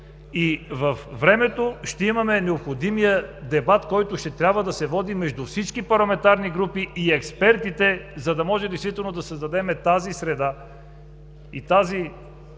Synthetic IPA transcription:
ivɐfvɾɛmɛt̪oʃt̪ɛimɐmɛnɛopxod̪imijəd̪ɛbat̪kɔjt̪ʊʃt̪ɛt̪ɾʲabvəd̪ɐsɛvɔd̪imɛʒd̪ufsit͡ʃkipɐɾlˠɐmɛnt̪aɾniɡɾupiːɛkspɛɾt̪it̪ɛzɐd̪ɐmɔʒɛd̪ɛɪst̪vit̪ɛlˠnod̪ɐsɐzd̪ɐd̪ɛmɛt̪azisɾɛd̪a | it̪azi

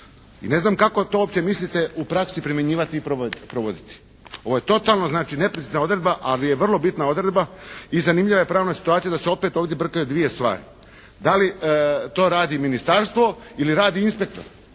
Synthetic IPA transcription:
ḭne̞znaːmkako̞t̪oopt͡ɕe̞mislit̪e̞upɾaksipɾimjeɲiːʋat̪iːpɾoopɾoʋod̪it̪i̥ | o̞ʋo̞jet̪o̞t̪alˠnoznaːt͡ʃine̞pɾit̪iznao̞d̪ɾe̞d̪baʔalijeʋr̩lˠo̞bit̪nao̞d̪ɾe̞d̪baizanimʎʲiʋaje̞pɾaːʋnasi̥t̪uaːt̪sijad̪aseo̞pe̞t̪o̞ːʋd̪jebr̩kajud̪ʋije̞st̪ʋa̰ːɾḭ | d̪alit̪o̞ːɾaːd̪iminist̪aɾst̪ʋo̞iliɾaːd̪iinspe̞k̚t̪o̞̰ɾ

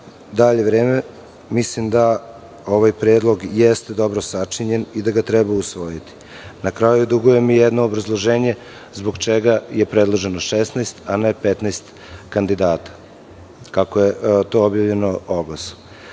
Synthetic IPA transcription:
d̪aʎe̞ʋɾeːme | mislimd̪a | o̞ʋajpɾeːd̪lˠo̞ɡjest̪ed̪o̞bɾo̞sat͡ʂiɲenid̪aɡat̪ɾɛbausʋo̞jit̪i̥ | nakɾajud̪uɡuje̞mijed̪noːbɾazlˠoʒeːɲe̞ | zbo̞ɡt͡ʃeɡaje̞pɾed̪lˠoʒeno̞ʃesnajst̪anepet̪najst̪ | kand̪id̪aːt̪ḁ | kakojet̪o̞objavʎe̞nooɡlasu̥

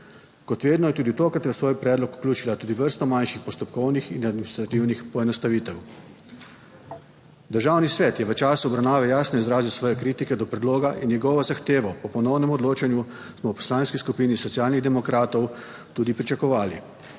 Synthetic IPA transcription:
kɔt̪ʋeːd̪nɔjɛt̪uːd̪it̪oːkɾat̪jɛwsʋoːjpɾɛːd̪lɔku̥klʲuːt͡ʃilat̪uːd̪iʋəɾst̪ɔmanʃixpɔst̪ɔpkɔwnixinad̪minist̪ɾat̪iwnixpɔɛnɔst̪aʋiːt̪ɛw | d̪əɾʒawnisʋɛːt̪jɛʋət͡ʃaːsuɔbɾawnaːʋɛjaːsnɔizɾaːziwsʋɔːjɛkɾiːt̪ikɛd̪ɔpɾɛd̪loːɡaʔinjɛɡɔʋɔzaxt̪eːʋɔpɔpɔnɔwnɛmɔd̪loːt͡ʃanju | smɔwpɔ̥slaːnskiskupiːnisɔt̪siaːlniɣd̪ɛmɔkɾaːt̪ɔw | t̪uːd̪ipɾit͡ʃakɔʋaːlḭ

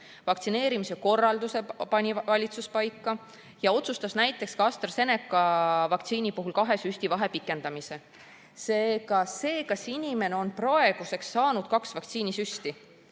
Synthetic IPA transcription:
vɑkt̪sine̞ːɾimise̞ko̞rːɑld̪use̞pɑnʲivɑlʲit̪suspɑjkːɑ | jɑo̞t̪sust̪ɑsnæjt̪ːˑe̞kskɑst̪rse̞ne̞kːˑɑvɑkt̪siːnipuɦulkɑɦe̞syst̪ivɑɦe̞pikˑːe̞nd̪̥ɑmise̞ | seːɡɑse̞ːkɑsinʲime̞neo̞nproe̞ɡ̥use̞ksːɑːnud̪̥kɑksvɑkt̪siːnisyst̪i

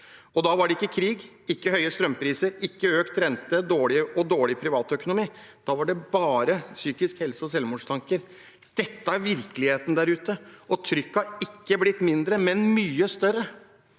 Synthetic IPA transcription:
ɔd̪ɑːʋɑɖɛɪkːəkʰɾiːɡ | ɪkːəhœʏəst̪ɾœmːpʰɾiːsəɾɪkːəøːkt̪ɾɛnt̪əd̪oːɭɪəʔɔd̪oːɭɪpʰɾɪʋɑːt̪œkʊnʊmiː | d̪̥ɑːʋɑɖɛbɑːɾəsyːkɪskhɛlsəɔsɛlʋmuːʂt̪ʰɑŋkəɾ | d̪̥ɛt̪ːəæɾʋɪɾkəlɪheːt̪nəd̪æɾʉːt̪əɔt̪ʰɾʏkːɑɪkːəblɪt̪ːmɪnd̪ɾəmɛnmyːəst̪œɾə

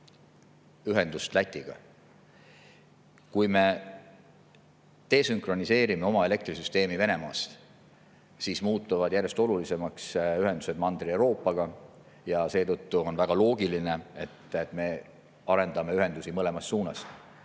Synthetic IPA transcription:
yɦe̞nd̪ust̪læt̪ʲˑːiɡ̥ɑ̰ | kujme̞ | t̪e̞ːsyŋkro̞nise̞ːɾime̞o̞mɑe̞le̞k̚t̪risyst̪e̞ːmive̞ne̞mɑ̰ːst̪ | sismuːt̪ːˑuvɑd̪̥jærje̞st̪o̞lulise̞mɑksyɦe̞nd̪̥use̞d̪mɑnd̪̥riewɾo̞ːpːˑɑɡ̥ɑ | jɑse̞ːt̪ɤt̪ːuo̞nvæɡ̥ɑlo̞ːɡiline̞e̞t̪et̪ːˑme̞ | ɑɾe̞nd̪ɑme̞yɦe̞nd̪̥usimɤle̞mɑst̪ːsuːnɑ̰st̪

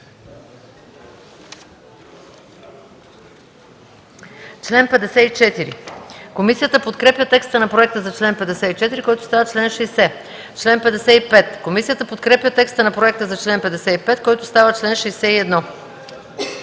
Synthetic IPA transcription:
t͡ʃlɛnpɛd̪ɛsɛit͡ʃɛt̪iɾḭkomisijət̪əpot̪kɾɛpjət̪ɛkst̪ənɐpɾoɛk̚t̪əzɐt͡ʃlɛnpɛd̪ɛsɛit͡ʃɛt̪iɾikɔjt̪oʊst̪avət͡ʃlɛnʃɛjsɛ | t͡ʃlɛnpɛd̪ɛsɛipɛt̪komisijət̪əpot̪kɾɛpjʲət̪ɛkst̪ənɐpɾoɛk̚t̪əzɐt͡ʃlɛnpɛd̪ɛsɛipɛt̪kɔjt̪ʊst̪avət͡ʃlɛnʃɛjsɛiɛd̪nɔ

